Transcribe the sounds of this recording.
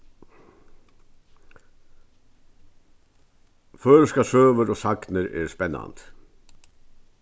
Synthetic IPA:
føːɾskasøːʋəɾɔːsaknɪɾɛɾspɛnːa̰nt̪

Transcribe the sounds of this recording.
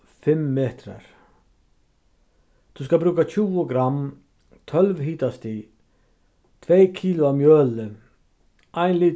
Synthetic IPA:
fɛmːeːt̪ɾə̰ɾ | d̪̥ʉːskɑbɾʉːkət͡ʃʰuːəɡɾɑm | t̪ʰœlʋɦiːt̪ɑst̪iː | t̪ʰʋeːkʰiːlʊɑmjøːlə | ʔæɪnli

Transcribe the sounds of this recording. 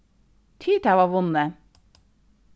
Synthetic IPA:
t̪ʰyːt̪æːʋɑːʋʊnə

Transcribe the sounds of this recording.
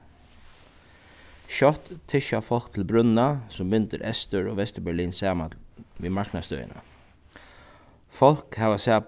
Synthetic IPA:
ʃɔt̪t̪ʰːɪʃɑfɔlk̚t̪ʰl̩bɾʉnɑsɔmbʏnt̪əɾʔɛst̪əɹoːʋɛst̪əbæɭiːnsæːmɑʋiːmɑɹknɑst̪œ̰ʏə̰nə̰ | fɔlkhɑːʋɑsæː

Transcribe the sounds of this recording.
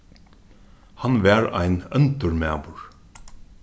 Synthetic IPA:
hanʋæːɹa̰jnœnt̪əɹmæːʋʊɹ

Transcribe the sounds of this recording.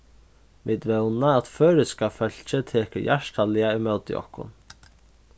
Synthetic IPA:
miːt̪ʋɛwnaat̪føːɾɪskafœl̥t͡ʃɪt̪ʰeːkəjʔaʂʈalɪaɪmœwt̪ɪ̰ʔɔ̰hkʊ̰n

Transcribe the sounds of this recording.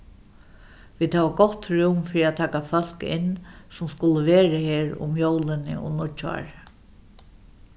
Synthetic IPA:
ʋiːd̪haːʋaɡɔht̪ɾuːmfɪɾiat̪ʰaːkafœl̥kɪ̰nsʊmskʊləʋeːɾəheːɹʊ̰mjowlɪnɪ̰ʔɔ̰nʊt͡ʃa̰ːɹ

